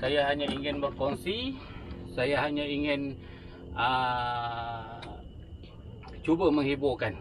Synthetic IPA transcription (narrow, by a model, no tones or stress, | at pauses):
sajaɦaɲaiŋɪnbərkonsi | sajaɦaɲaiŋɪn | ə | t͡ʃubəməŋhibʊkan